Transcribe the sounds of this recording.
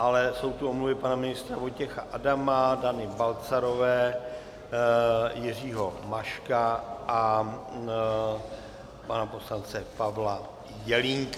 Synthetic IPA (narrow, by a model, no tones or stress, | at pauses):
ʔalɛso̞wt̪uʔomluvɪpanamɪnɪst̪ɾavojcɛxa̰ʔadamadanɪbalt͡saɾo̞vɛː | jɪriːɦo̞maʃkaʔa | panapo̞slant͡sɛpavla | jɛliŋk